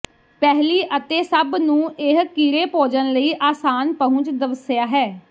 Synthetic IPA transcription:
pɛɦliːʔət̪eːsəbnũːɪɦkiːɾeːpoːd͡ʒənləiːʔaːsaːnpəɦʊ̃t͡ʃd̪əʋəsɪjaːɦɛː

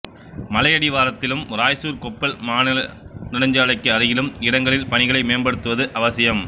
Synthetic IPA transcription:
mɐlɐjɐɽɪʋaːɾɐt̪ːɪlɯmɾaːjsuːɾkɔpːɐlmaːnɪlɐnɪɽɐɲd͡ʒaːɭɐɪkːɯɐɾɯɣɪlɯmɪɽɐŋɡɐɭɪlpɐɳɪɣɐɭɐɪmeːnbɐɽɯt̪ːɯʋɐðɯʔɐʋɐsɪjɐm

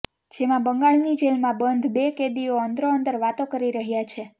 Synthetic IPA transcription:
d͡ʒemãbəŋɡaɭnid͡ʒelmãbənd̪ʱbeked̪ioənd̪ɾoənd̪əɾʋat̪okəɾiɾəɦjat͡ʃʰe

